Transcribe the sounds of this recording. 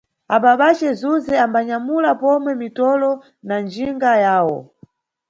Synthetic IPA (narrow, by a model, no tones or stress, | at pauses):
aɓaɓat͡ʃɛzuzɛambaɲamulapɔmwɛmitɔlɔ | nand͡ʒiŋɡajaːwɔ̰